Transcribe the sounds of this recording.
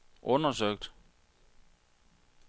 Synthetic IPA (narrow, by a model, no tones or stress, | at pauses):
ʔɔ̽nɐsøɡ̥̚d̥